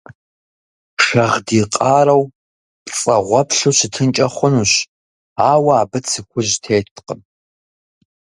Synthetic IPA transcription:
ʂɐʁdiːqʼɑːɾɐw | pt͡sʼɐʁʷɔpʰɬuɕɪtʰɨnt͡ʃʼɐχʷʊnuːɕ | aːwɐːbɨt͡sʰɨkʷʰʊʑtʰeːtʰqəm

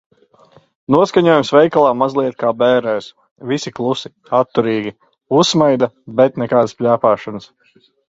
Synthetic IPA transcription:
nuɔskaɲuɔjumsvɛjkalˠaːmazlˠiɛt̪kaːbɛːɾɛːs | visiklˠusi | at̪ːuɾiːɡʲi | usːmajd̪abɛt̪nɛkaːd̪spʲʎʲæːpaːʃanəs

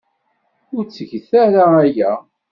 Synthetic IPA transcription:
ʊɾt͡sːəʝθæɾaæjæ

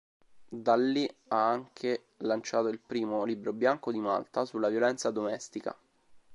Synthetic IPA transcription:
d̪alːiaaŋkʰe | lant͡ʃaːt̪oilpɾiːmoliːbɾobjaŋkod̪ima̰lt̪asulːavjolɛnt̪sad̪omɛst̪ika̰

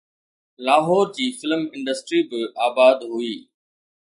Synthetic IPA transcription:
laːɦɔːɾd͡ʑiːfɪlmɪ̃ɳɖəsʈɾibɪʔaːbaːd̪ɦʊiː

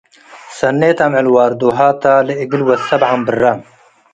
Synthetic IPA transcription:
sɐnːeːt̪amʕɪlwaːɾd̪oːɦaːt̪aːleiɡilwɐsɐbʕambɨrːam

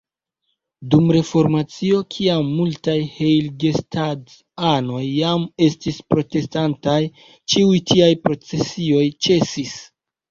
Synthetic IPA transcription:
dumɾe̞fo̞ɾmat͡sio̞kʰiamːultajhe̞jlɡe̞stʰad | ano̞jːame̞stispɾo̞te̞stantaj | t͡ʃiujtiajpɾo̞t͡se̞sio̞jt͡ʃe̞sis

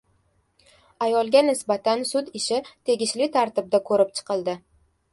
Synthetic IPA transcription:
ajɒlˠɡʲanɪsbat̪ʰansʊd̪ɪʃɪt̪ʰe̞ɡʲɪʃlɪt̪ʰaɾt̪ɪb̚d̪akʰɵɾɪp̚t͡ʃʰɨ̥qɨlˠd̪ɪ

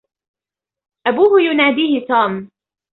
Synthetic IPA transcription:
ʔabuːhʊjʊnaːd̪iːhɪt̪uːm

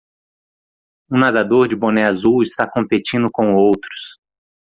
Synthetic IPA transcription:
ũnad̪ad̪oɾd͡ʒɪbõnɛazuwɪst̪akõmpet͡ʃĩnd̪ʊkõw̃owt̪ɾʊ̥s

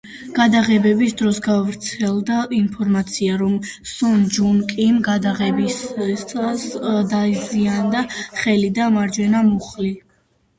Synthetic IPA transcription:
ɡ̥ad̪aʁɛbɛbisd̪ɾɔsɡavɾt̪sʰɛlˠd̪ainpʰɔɾmat̪sʰiaɾɔmsɔnd͡ʒunkʼimɡad̪aʁɛbisʼ | sd̪aziand̪aχɛlid̪amaɾd͡ʒwɛnamuχli

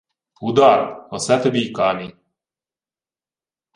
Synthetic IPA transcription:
ud̪aɾɔsɛt̪bikaːni

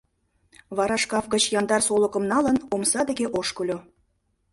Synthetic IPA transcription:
βɑɾɑʃkɑfɡə̆t͡ɕjɑnd̪ɑrsoləkə̆mnɑlənomsɑd̪eɣeʔoʃkəlʲo

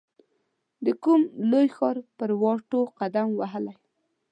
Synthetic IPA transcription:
d̪əkumlojxɑɾpəɾwɑʈoqad̪amwaɦəlaj

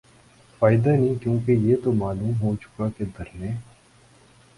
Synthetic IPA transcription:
faːɪd̪anɦĩkjõːkejeːt̪omaːluːmɦot͡ʃʊ̥kaked̪ɐɾnẽː

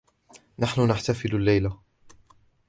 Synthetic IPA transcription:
naħnʊnaħt̪afɪlalːajla

